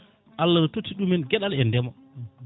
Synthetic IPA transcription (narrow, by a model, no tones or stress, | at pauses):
ʔalːanɔtotːiɗumɛnɡɛɗalɛndɛma